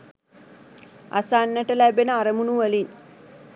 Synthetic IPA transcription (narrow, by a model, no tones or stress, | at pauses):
a̰sanːəʈəlæbenəaɾəmunuʋəlin